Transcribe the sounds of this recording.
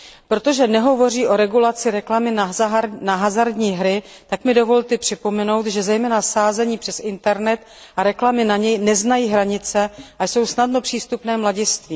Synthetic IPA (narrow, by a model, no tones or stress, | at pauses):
pɾo̞t̪o̞ʒɛnɛɦo̞vo̞r̝iːʔo̞ɾɛɡulat͡sɪɾɛklamɪnanaɦazaɾdɲiːɦɾɪ | t̪akmɪdo̞vo̞lt̪ɛpr̥ɪpo̞mɛno̞wt̪ʒɛzɛjmɛːnasaːzɛɲiːpr̥ɛsɪnt̪ɛɾnɛt̪ | ʔaɾɛklamɪnaɲɛjnɛznajiːɦɾaɲɪt͡sɛʔajso̞wsnadno̞pr̥iːst̪upnɛːmlaɟɪst̪viː